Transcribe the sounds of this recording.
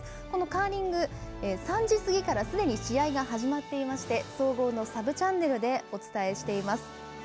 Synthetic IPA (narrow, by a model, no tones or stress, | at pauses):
ko̞no̞kaːɾʲĩŋɡɯ̟esãɲd͡ʑisɨɡʲikaɾasɨd̪e̞ɲ̟iɕiaiɡaɦaʑimat̪ːe̞imaɕi̥t̪e̞so̞ːɡo̞ːno̞sabɯ̟t͡ɕãnːe̞ɾɯ̟d̪e̞o̞t͡sɨ̥t̪ae̞ɕi̥t̪e̞imasɨ̥